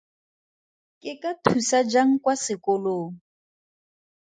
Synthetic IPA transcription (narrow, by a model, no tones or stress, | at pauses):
kʼɪkʼatʰusad͡ʒaŋ̩kʼwasɪkʼʊloːŋ̩